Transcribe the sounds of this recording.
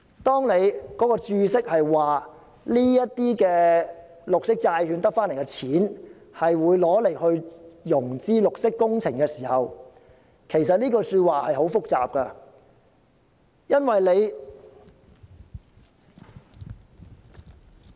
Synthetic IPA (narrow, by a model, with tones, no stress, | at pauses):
t̪ɔː˥ŋne˨˧jkɔː˨˥kɔː˧t͡ʃyː˧sɪ˥k̚hɐ˨jwaː˨ | liː˥jɐ˥t̚t̪iː˥kɛː˧ | lʊ˨k̚sɪ˥k̚t͡saː˧jhyː˨˧nt̪ɐ˥k̚faː˥nle˨˩kɛ˧t͡sʰiː˨˥n | hɐ˨jwuː˨˧jlɔː˨˥le˨˩jhɵ˧ɥjʊ˨˩ŋt͡siː˥lʊ˨k̚sɪ˥kːʊ˥ŋt͡sʰɪ˨˩ŋkɛː˧siː˨˩hɐ˨w | kʰe˨˩jsɐ˨t̚liː˥kɔː˧syː˧t̚waː˨hɐ˨jɦo˨˥wfʊ˥k̚t͡sa̰ː˨p̚kɐ˧ | jɐ˥nwɐ˨jle˨˧j